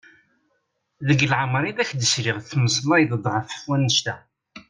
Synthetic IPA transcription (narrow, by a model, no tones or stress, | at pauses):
ðəɡəlʕəmɾˤiðæçd̪əsɾiʁθməsˤlɑjðd̪ˤʕəfə̥fwænːəʃt̪æ